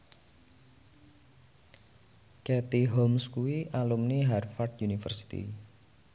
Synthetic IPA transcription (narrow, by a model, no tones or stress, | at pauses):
kɛt̪iɦomskuwiʔalumniɦarfard̪junifə̰rsi̥t̪ḭ